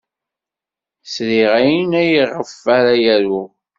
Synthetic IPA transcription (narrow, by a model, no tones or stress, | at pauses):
sɾiʁæjənæjəʁːəfːæɾæjæɾu